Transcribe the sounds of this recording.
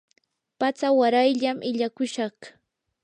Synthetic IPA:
pat͡sawaɾajʎamʔɪʎakʊʃɑχ

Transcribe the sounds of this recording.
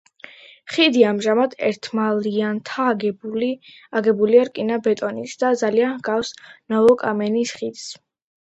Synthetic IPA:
χid̪iamʒamad̪ɛ̰ɾt̪ʰmaliant̪ʰaɡbl | aɡɛbuliaɾkʼinabɛt̪ʼɔnisd̪̥ad̪zalianɡ̥afsnɔɔkʼamɛnisχid̪̥s

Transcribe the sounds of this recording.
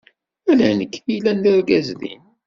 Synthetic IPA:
ælænəkːθilænːəɾɡæzðḭn

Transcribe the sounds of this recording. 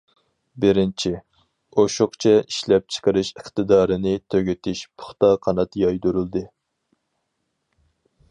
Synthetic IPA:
bɪɾɪnt͡ʃʰi | oʃʊqt͡ʃʰɛʔiʃlɛp̚t͡ʃʰə̥qəɾɪʃəχt̪ɨd̪ɑːɾɨnɪt̪ʰøɡʲet̪ʰɪʃpʰʊ̥χt̪ɑqʰɑnɑt̪jɑjd̪uɾulˠd̪ɨ

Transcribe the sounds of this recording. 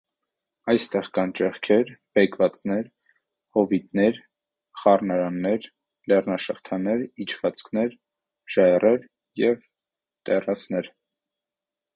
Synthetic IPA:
ɑjst̪ɛʁkɑnt͡ʃɛχkʰɛɾb̥ɛkʰvɑt͡snɛɾ | hɔvit̪nɛɾ | χɑrnɑɾɑnːɛɾ | lɛrnɑʃəχt̪ʰɑnɛɾit͡ʃʰvɑt͡skʰnɛɾ | ʒ̥ɑɛrɛɾ | jɛv | t̪ɛrɑsnɛɾ

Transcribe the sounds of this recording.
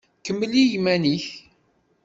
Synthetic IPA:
kəmːəlijmæniç

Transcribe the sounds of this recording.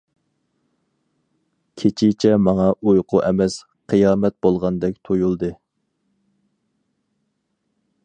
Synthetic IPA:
kʲʰet͡ʃʰɪt͡ʃʰɛmɑŋɑʔujqʰʊʔɛmɛs | qʰɨjɑːmɛt̪̚bolˠʁɑnd̪ɛk̚ʲt̪ʰojulˠd̪ɨ

